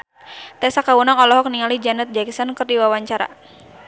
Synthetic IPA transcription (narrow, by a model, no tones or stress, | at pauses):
t̪ɛsakawunaŋɔlɔɦɔk̚niŋalid͡ʒanət̪̚d͡ʒaksɔnkərdiwawaɲt͡ʃaɾa̰